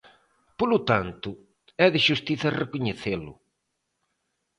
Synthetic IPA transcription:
polʊt̪ant̪ʊ | ɛðɪʃust̪iθɐrekʊɲeθelʊ̰

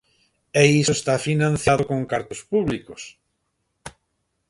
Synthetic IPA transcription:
eisoest̪afinãn̟θjaðokõŋkaɾt̪ospuβlikos

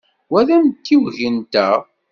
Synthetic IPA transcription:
wæðæmt̪ːiwʝənt̪æ

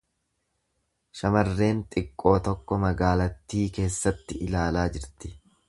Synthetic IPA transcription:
ʃɐmɐrːe̞ːnt̪ʼɪkʼːo̞ːt̪ɔkːɔmɐɡaːlɐt̪ːiːke̞ːsːɐt̪ːɪʔɪlaːlaːd͡ʒɪɾt̪ɪ̥

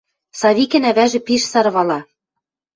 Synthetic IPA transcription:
sɑβikɘ̆næβæʒĕpiʃsɑɾβɑlɑ

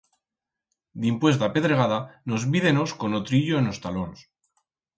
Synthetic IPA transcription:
d̪impwe̞s̬t̪ape̞ðɾe̞ɣaðano̞zβiðe̞no̞sko̞not̪ɾiʎo̞eno̞st̪alo̞ns

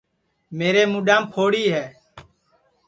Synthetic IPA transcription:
meːɾeːmuːɗãːmpʰoːɽiːɦɛː

